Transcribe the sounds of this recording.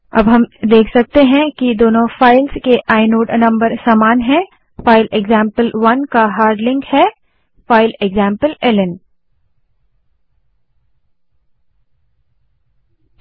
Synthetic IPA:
ɐ̰bɦɐmd̪eːkʰsɐk̚t̪eɦɛ̃kid̪oːnõfaːɪlzkeʔaːɪnoːɖnɐ̃mbəɾsaːmaːnɦɛ̃ | faːɪleɡzãːmpəlʋɐnkaɦaːɾɖlɪ̃ŋkhɛː | faːɪleɡzãːmpəlɛlɪn

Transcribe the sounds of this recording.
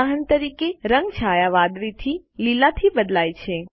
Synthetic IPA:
aɦənt̪əɾikeɾəŋɡt͡ʃʰajaʋad̪ɾit̪ʰililat̪ʰibəd̪lajt͡ʃʰe

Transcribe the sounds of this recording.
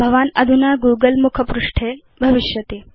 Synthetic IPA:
bʱɐʋanɐd̪ʱunaɡuːɡəlmukʰəpɾuʂʈʰe | bʱɐʋiʃjɐt̪eː

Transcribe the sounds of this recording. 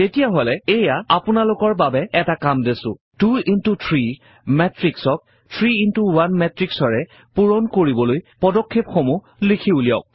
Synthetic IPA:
tetijaɦolɛejaapʊnalʊkɔɹbabɛɛtakamdesʊ̰̃ | tuintutʰɹi | mɛtɹiksɔk̚ | tʰɹiintuwanmɛtɹiksɔɹɛ | puɹɔnkoɹibɔlojpɔdɔkʰːepxomu | likʰiuliɔ̰k̚

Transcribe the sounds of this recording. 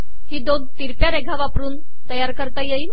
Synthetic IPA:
ɦiːd̪od̪t̪iɾpjaɾeɡʱaʋapɾuːn | t̪əjaɾkəɾt̪ajei

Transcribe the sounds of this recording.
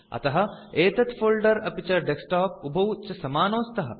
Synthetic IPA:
ɐ̰t̪ɐɦɐ̆eːt̪ɐt̪foːlɖɐɾɐpit͡ʃɐɖeksʈaːp̚ubʱɐwt͡ʃɐsɐmaːnoːst̪ɐɦɐ̰

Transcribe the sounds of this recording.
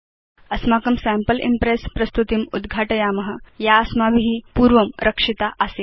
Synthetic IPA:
ɐsmaːkɐmsæmpəlʔḭmpɾespɾɐst̪ut̪imud̪ɡʱaːʈɐjaːmɐɦə̆jaɐsmabʱiɦiːpuːɾʋɐmɾʔɐkʂit̪aʔəseː

